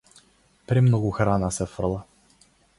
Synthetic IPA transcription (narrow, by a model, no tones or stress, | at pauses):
pɾimnɔɡʊxɾanasɛfrlˠa